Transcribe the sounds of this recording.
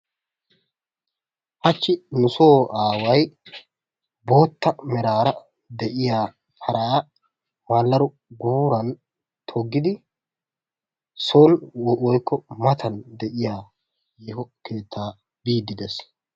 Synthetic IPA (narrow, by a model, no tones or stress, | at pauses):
hɐt͡ʃːɪnʊsoːaːwɐj | bo̞ːt̪ːɐmɛɾaːɾɐ | d̪ɛʔɪjaː | pʰɐɾɐja | maːlːɐɾɔ | ɡuːɾɐn | t̪ʰɔɡːɪd̪ɪ | sonwɔjkːɔmɐt̪ʰɐnd̪ɛʔɪjaː | jɛhɔke̞ːt̪ːaː | biːd̪ːɪd̪ɛs